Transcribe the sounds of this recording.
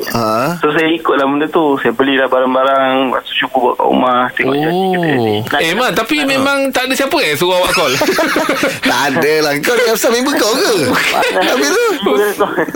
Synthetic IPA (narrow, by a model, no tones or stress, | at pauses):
əsos̬ajaikʊt̪̚laməndət̪usajabəlilahbaɾaŋbaɾaŋwa̰t̪u̥t͡ʃukuba̰ʔka̰ṵmaht̪ioɡaiiiemat̪apimẽmãŋt̪adəsiapəs̬uawasɔl | adəlahkawəkabəsamiŋbəɡawkə | t̪apit̪u